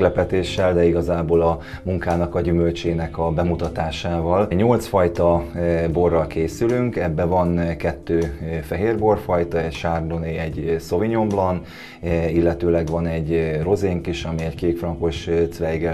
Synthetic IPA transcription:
lɛpɛt̪eːʃːɛld̪ɛiɡɒzaːboːlɒ | muŋkaːnɒkɒɟymølt͡ʃeːnɛkɒbɛmut̪ɒt̪aːʃaːvɒlɲo̞lt̪sfɒjt̪ɒbo̞rːɒlkeːsylyŋkɛbːɛvɒnkɛt̪ːøːfɛɦeːrbo̞rfɒjt̪ɒɛcʃaːrd̪oneɛɟso̞viɲo̞mblɒn | ilːɛt̪øːlɛɡvɒnɛɟro̞zeːŋkiʃɒmiɛckeːkfrɒŋko̞ʃt̪svɛjɡɛ

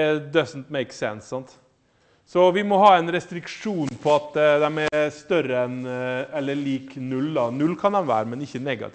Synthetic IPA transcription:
d̪œsnt̪meɪksɛ̰nssɑnt̪ | sɔʋɪmɔɦɑːɛnɾɛst̪ɾɪkʂuːnpʰɔɑt̪d̪d̪ɛmæst̪œɾəɛnɛlːəɭiːknʉld̪ɑnʉlːkʰɑnd̪ɛmʋæ̰ːɾəmɛnɪçːənɛɡɑ̰t̪ʰɪ

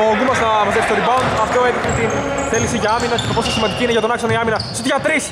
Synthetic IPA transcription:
oɡumɐznɐmɐzesit̪oɾibaund̪ɐft̪oet̪ixet̪inθeliksiʝɐɐminɐemopososimɐnd̪icineʝɐt̪o̞nɐksonoiɐminɐsot̪ʝɐt̪ɾis

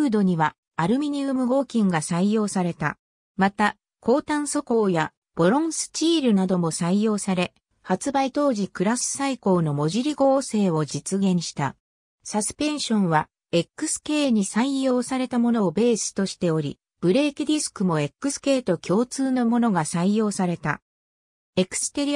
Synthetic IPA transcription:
ɯːd̪o̞ɲ̟iβaː | ɾɯ̟mʲiɲiɯmɯ̟ɡo̞ːkʲĩŋɡasaijo̞ːsaɾe̞t̪a | mat̪a | kʰo̞ːt̪ãɰ̃so̞ko̞ːja | b̥o̞ɾõ̞ɰ̃sɨ̥t͡ɕiːɾɯ̟nad̪o̞mo̞saijo̞ːsaɾe̞ | hat͡sɨbait̪o̞ːʑikɯ̟ɾasɨ̥saiko̞ːno̞mo̞ʑiɾʲiɡo̞ːse̞ːo̞d͡ʑit͡sɨɡẽ̞ɰ̃ɕi̥t̪a | sasɨ̥pẽ̞ɰ̃ɕõ̞ɰ̃βa | e̞kːɯ̟̥sɨ̥ke̞ːɲ̟isaijo̞ːsaɾe̞t̪amo̞no̞be̞ːsɨ̥t̪o̞ɕi̥t̪e̞o̞ɾʲḭ | b̥ɯ̟ɾe̞ːkʲid̪ʲisɨ̥kɯ̟mo̞e̞kːɯ̟sɨ̥ke̞ːt̪o̞kʲʰo̞ːt͡sɨːno̞mo̞no̞ɡasaijo̞ːsaɾe̞t̪a̰ | e̞kɯ̟̥sɨ̥t̪e̞ɾʲi

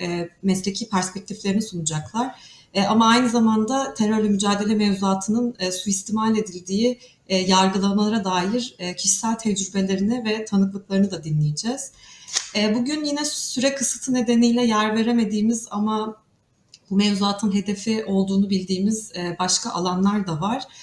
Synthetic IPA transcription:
ɛmɛslʲecʰiːpʰæɾspɛc̚t̪ʰiflʲe̞ɾinisunud͡ʒaklˠaɾ̥ | ɛːamaajnɯzamand̪at̪ʰeɾøɾlʲymyd͡ʒaːd̪e̞lʲɛmevzuaːt̪ʰɯnɯnːsuist̪ʰimalʲe̞d̪ilʲd̪iːi | jaɾɡɯlˠamalˠaɾad̪aːjiɾɛːcʰiʃi̥sælʲt̪ʰɛd͡ʒɾybe̞lʲe̞ɾinivɛt̪ʰanɯklˠɯklˠaɾɯnɯd̪ad̪inlːʲejed͡ʒɛz̥ɛːbuɟynjinɛsyɾɛkʰɯsɯt̪ʰɯne̞d̪e̞nijlʲɛjæɾve̞ɾe̞me̞d̪iːmiza̰ma | bumevzuaːt̪ʰɯnɦe̞d̪e̞fiʔo̞lˠd̪uːnubilʲd̪iːmizɛːbaʃkʰaʔalˠanlˠaɾd̪avaɾ̥

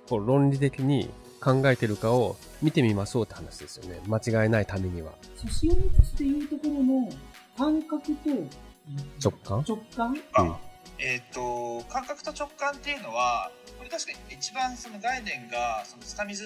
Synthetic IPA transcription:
ko̞ɾõ̞nɾʲit̪e̞kʲiɲ̟ḭ | kãŋɡae̞t̪e̞ɾɯ̟kao̞ | mʲit̪e̞mʲimaso̞ːt̪ːehanaɕid̪e̞sɨ̥jo̞ne̞̰mat͡ɕiɡae̞nait̪ame̞ɲ̟iβa̰saɕĩnikɨt͡ɕi̥t̪e̞jɯ̟ːt̪o̞ko̞ɾo̞no̞ | kãŋkakɯ̟t̪o | t͡ɕo̞kːãt͡ɕo̞kːãŋ | et̪ːo̞kãŋkakɯ̥t̪o̞t͡ɕo̞kːãnt̪ːe̞jɯ̟no̞βakoɾe̞t̪aɕi̥kait͡ɕibãɰ̃so̞no̞ɡainẽ̞ŋɡaso̞not͡sɨ̥t̪amʲizɨ

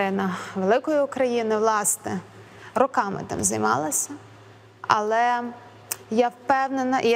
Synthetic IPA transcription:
ɪnɐʋelˠɪkɔjʊʊkɾɐjinɪʋlˠɑsnɛ | ɾɔkɑmɪ̰t̪ɪ̰mzɐjmɑ̰lˠɐsʲɐ | ɐ̰lˠɛ | jɑwpɛwnenɐʔ

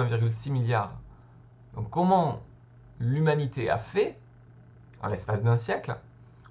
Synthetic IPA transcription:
ɛ̃viʁɡʲylsimiljaːʁ | d̪ɔ̃kːɔmɑ̃ | lymanit̪ea̰fɛ | d̪ɑ̰̃lɛspasd̪ɛ̃sjɛkl

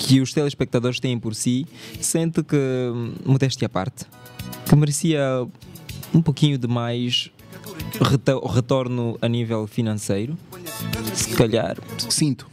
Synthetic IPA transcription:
kʰɨuʃt̪ɛlˠʃpɛk̚t̪ɐðoɾʃt̪ẽjẽj̃pɔɾsisẽnt̪ɨkɨmuðɛʃt̪ɐpa̰ɾt̪ | kɨmɨɾɨsiɐ | ũpokiɲud̪ɨmajʃ | ʁɨt̪oʁɨt̪oɾnuɐnivɛlˠfinɐ̃sejɾu | sɨ̥kɐʎa̰ɾsĩnt̪u̥

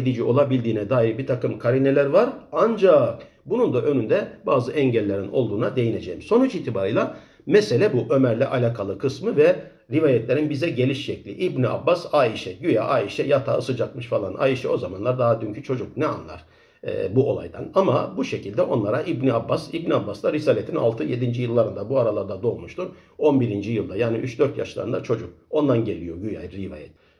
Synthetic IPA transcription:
ed̪id͡ʒio̞lˠabilʲd̪iːnɛd̪aːiɾbit̪ʰakɯmkʰaɾinelʲæɾvaɾand͡ʒak | bunund̪aʔø̞nynd̪ɛbaːzɯʔɛɲɟælʲːe̞ɾino̞lˠd̪uːnad̪e̞jine̞d͡ʒejimso̞nut͡ʃiːt̪ʰibaɾɯjlˠa | mɛse̞lʲɛbuʔø̞mæɾlʲɛʔalʲaːkʰalˠɯkʰɯsmɯvɛ | ɾivaːjɛt̪lʲe̞ɾinbizɛɟe̞lʲiʃːɛclʲḭʔibniʔa̰bːasaːiʃɛɟyjaʔaːiʃɛjat̪ʰaɯsɯd͡ʒat̪̚mɯʃfalˠanʔa̰ːiʃɛ̰o̞zamanlˠaɾd̪aɦad̪yɲcʰyt͡ʃʰo̞d͡ʒuknɛa̰nlˠa̰ɾ̥̰ | buo̞lˠa̰jd̪a̰nama̰buʃe̞cilʲd̪ɛʔo̞nlˠaɾaʔibniabːasibniabːasd̪ˠaɾisaːlʲet̪ʰina̰lˠt̪ʰɯje̞d̪ind͡ʒijɯlˠːaɾɯnd̪abuaɾalˠaɾd̪ad̪o̞lˠmuʃt̪uɾo̞nbiɾind͡ʒijɯlˠd̪ajaːniʔyt͡ʃd̪ø̞ɾt̪ja̰ʃlˠa̰ɾɯnd̪at͡ʃʰo̞d͡ʒuk̚o̞nd̪anɟe̞lʲijo̞ɟyja̰jɾivaːjɛt̪̚

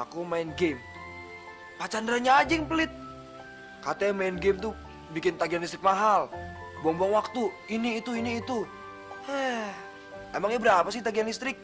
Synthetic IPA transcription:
a̰kumaɪnɡem | pat͡ʃandɾaɲaːd͡ʒɪŋpəlɪt̪̚ | kat̪ɛmaɪnɡemt̪u | bikɪnt̪aɡianist̪ɾɪk̚maɦalbuaŋbuaŋwak̚t̪u | iniːt̪uiniːt̪u | hɛ | emaŋjabəɾapas̬ɪht̪aɡianist̪ɾɪk̚

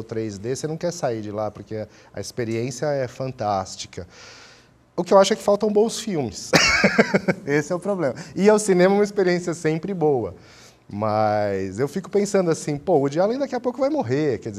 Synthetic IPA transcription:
t̪ɾejzd̪esenɐ̃w̃kɛɾsaiɾd͡ʒɪlapʊɾke | ɐ̰ɪspeɾiẽsiɐɛfɐ̃nt̪ast͡ʃi̥kɐ | ʊkɪewaʃʊɛkɪ̥fawt̪ɐ̃w̃bõw̃sfiwmɪs | esɪɛʊpɾoblẽmɐɪawsinẽmɐɛũmispeɾiẽsiɐsẽmpɾɪbowɐ | mɐjzewfikʊ̥pẽsɐ̃nd̪ʊasĩpoʊd͡ʒialẽd̪akiɐpowkʊvajmoɦekɛd͡ʒɪz

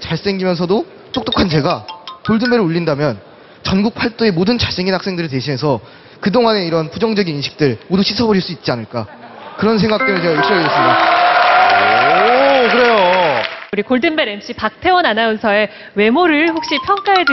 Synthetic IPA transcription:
t͡ɕaɭs͈e̞ŋɡimjʌnsʰʌdo | t͈ok̚t͈okʰant͡ɕe̞ɡakoɭdɯnbe̞ɾɯɭuʎːindamjʌn | t͡ɕʌnɡuk̚pʰaɭt͈oe̞modɯnt͡ɕas͈eŋinhak̚s͈e̞ŋdɯɾiɭt̬e̞ɕʰine̞sʰʌ | kɯdoŋane̞iɾʌnpud͡ʑʌŋd͡ʑʌɡininɕʰi̥k̚t͈ɯɭmoduɕʰisʰʌbʌɾiɭs͈uit̚t͡ɕianɯɭk͈a̰kɯɾʌns̬ʰe̞ŋɡak̚t͈ɯɾɯnt͡ɕeɡaɯɕʰiʌɡies͈ʌo | kɯɾe̞jouɾikoɭdɯnbe̞ɾe̞mɕ͈ipak̚tʰe̞wʌnanaunsʰʌe̞ | we̞moɾɯɭɸok̚ɕ͈ipʰjʌŋk͈aɦed

